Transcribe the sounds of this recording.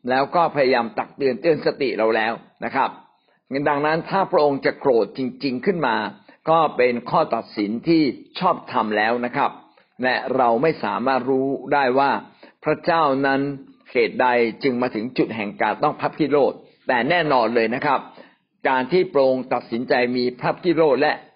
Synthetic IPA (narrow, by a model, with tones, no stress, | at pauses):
lɛː˦˥wkɔː˥˩pʰa˧ja˧jaː˧mt̪a˨˩k̚t̪ɯ˧ənt̪ɯ˧ənsa˧t̪ḭ˨˩ɾa˧wlɛː˦˥wna˦˥kʰɾa˦˥p̚ | da˧ŋna˦˥nt̪ʰaː˥˩pʰɾa˦˥ʔo˧ŋt͡ɕa˨˩ʔkɾoː˨˩t̪̚t͡ɕi˧ŋt͡ɕi˧ŋkʰɯ˥˩nmaː˧ | kɔː˥˩pe˧nkʰɔː˥˩t̪a˨˩t̪̚si˩˦nt̪ʰiː˥˩t͡ɕʰɔː˥˩p̚t̪ʰa˧mlɛː˦˥wna˦˥kʰɾa˦˥p̚ | lɛ˦˥ɾa˧wma˥˩jsa̰ː˩˦maː˥˩t̪̚ɾuː˦˥daː˥˩jwaː˥˩pʰɾa˦˥t͡ɕaː˥˩wna˦˥nhʰeː˨˩t̪̚da˧jt͡ɕɯ˧ŋmaː˧t̪ʰɯ˩˦ŋt͡ɕu˨˩t̪̚ɦɛ˨˩ŋkaː˧nt̪ɔ˥˩ŋpʰa˦˥p̚t̪ʰiː˥˩ɾoː˥˩t̪̚ːɛː˨˩nɛː˥˩nɔː˧nlɤː˧jna˦˥kʰa˦˥p̚ | kaː˧nt̪ʰiː˥˩pɾa˧˥ʔo˧ŋt̪a˨˩t̪̚si˩˦nt͡ɕa˧jmiː˧pʰɾa˦˥p̚t̪ʰiː˥˩ɾoː˥˩t̪̚lɛ˦˥ʔ